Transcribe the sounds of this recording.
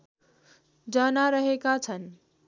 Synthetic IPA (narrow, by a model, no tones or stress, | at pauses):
d͡ʒanaɾəɦekat͡ʃʰən